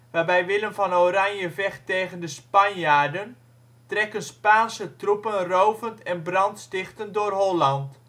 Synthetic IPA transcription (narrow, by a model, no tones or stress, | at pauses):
ʋaːbɛjʋɪlənfɑnowɾanjəvɛχtejɣəndəspɑnjaːrdən | trɛkənspaːnsətrupənrowvəntɛnbrɑntstɪχtəndʊrɦolɑnt